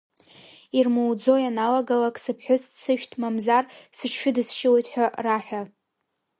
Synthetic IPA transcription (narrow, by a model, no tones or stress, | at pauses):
irmɨwd͡zo̞janalaɡalakʼsɨpʰħʷᶣʊssʰɨʃᶣtʰʼmamzarsɨʃʃᶣʊdɨsʃɪwejtʼħᶣaraħʷᶣa